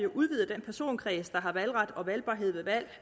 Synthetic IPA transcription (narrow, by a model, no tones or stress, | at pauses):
jo̝ʔuðˠʋiːð̩ˠd̥enpʰæɐso̝̰ːnkʰʁɛːsd̥ɑ̈ɦɑ̈ʋælʁɑ̈d̥ɒ̽ʋælb̥ɑ̈ːɦe̝ð̞̰ˠʋe̝ʋæl̰